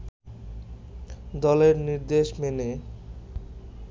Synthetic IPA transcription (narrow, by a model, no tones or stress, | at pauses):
d̪ɔleɾniɾd̪eʃmene